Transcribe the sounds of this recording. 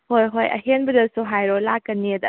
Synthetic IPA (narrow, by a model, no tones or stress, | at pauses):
hojɦojɐ̰ɦenbɐdɐsuɦajɾɔlakːɐnːedɐ